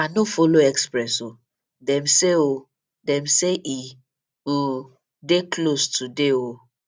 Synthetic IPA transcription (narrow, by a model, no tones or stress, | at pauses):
anofoloɛkspɾɛso | dɛmseo | dɛ̃m̩seʔi | deklostʰudeo